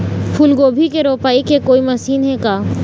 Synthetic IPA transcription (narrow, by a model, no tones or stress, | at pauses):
pʰulɡoːbʱikeɾoːpaːikekoːimɐsiːnɦɛkaː